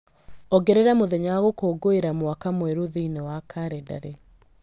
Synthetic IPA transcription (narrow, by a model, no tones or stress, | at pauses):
ɔɡeɾeɾamoðɛɲawaɣokoːɡoeɾamwakamweɾoðiinewakʰaɾeda̰ɾe